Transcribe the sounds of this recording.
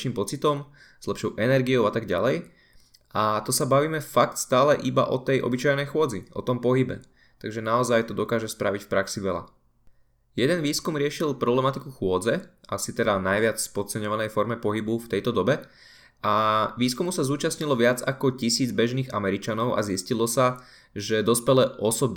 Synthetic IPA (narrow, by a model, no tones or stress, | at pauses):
ʃiːmpɔt͡sit̪ɔm | z̥lɛpʃɔʊʔɛnɛɾɡiɔʊat̪aɡɟa̰lɛj | ʔat̪ɔsabaʋiːmɛfak̚t̪st̪aːlɛʔiba̰ʔɔt̪ɛjʔɔ̰bit͡ʃajnɛjxʊɔd͡ziʔɔ̰t̪ɔmpɔɦibɛ̰ | t̪aɡʒɛnaɔzajt̪ɔd̪ɔkaːʒɛspɾaʋicfpɾaksiʋɛla̰ | jɛd̪ɛnʋiːskumɾɪɛʃilpɾɔblɛmat̪ikuxʊɔd͡zɛʔasit̪ɛd̪anajʋɪat͡sspɔtt͡sɛɲɔʋanɛjfɔɾmɛpɔɦibuft̪ɛjt̪ɔd̪ɔbɛ | aʋiːskumusazuːt͡ʃasɲilɔʋɪad͡za̰kɔcisiːd͡zbɛʒniːɣa̰mɛɾit͡ʃanɔʊa̰ziscilɔsa | ʒɛd̪ɔspɛlɛʔɔsɔb